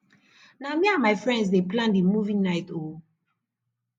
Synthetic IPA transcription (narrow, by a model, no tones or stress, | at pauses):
namiãnmaɪfɹɛ̃nds̬deplãndimuvĩŋnaɪto